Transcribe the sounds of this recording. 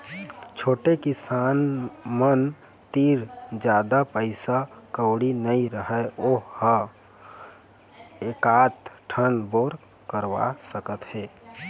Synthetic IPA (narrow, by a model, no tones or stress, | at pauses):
t͡ʃʰoːʈekɪsanmən | t̪iːɾd͡ʒjaːd̪apəɪsakəʊɽinəiɾəɦɛohə | ekat̪ʈʰənboɾ | kəɾʋa̰səkət̪ɦeː